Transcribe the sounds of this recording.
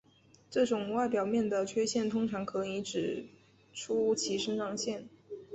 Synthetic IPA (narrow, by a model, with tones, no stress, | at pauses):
ʈ͡ʂɤ˥˩ʈ͡ʂʊ˨˩ŋwa˥˩ɪpjɑ˨˩ʊmjɛ˥˩nd̪ə˩t͡ɕʰɥɛ˥ɕjɛ˥˩nt̪ʰʊ˥ŋʈ͡ʂʰɑ˧˥ŋkʰɤ˧˥n˧ŋi˧˥ʈ͡ʂɻ̩˨˩ | ʈ͡ʂʰu˥t͡ɕʰi˧˥ʂə˥ʂɑ˥˧ŋɕjɛ˥˩n